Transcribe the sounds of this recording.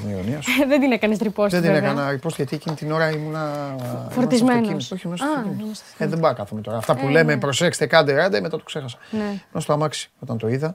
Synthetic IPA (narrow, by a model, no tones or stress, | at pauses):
niɾoniɐsðed̪inekɐnist̪ɾiposðed̪inekɐnɐɾipost̪ʝɐt̪iecinit̪ino̞ɾɐimunɐfoɾiizmenimoçimunɐsoim | eðembɐkɐθumet̪o̞ɾɐːft̪ɐpule̞me̞pɾo̞se̞kst̪ekɐnd̪eɾɐnd̪ɐimet̪ɐt̪okse̞xɐsɐ̥nemunɐst̪oɐmɐksi̥o̞t̪ɐnt̪o̞iðɐ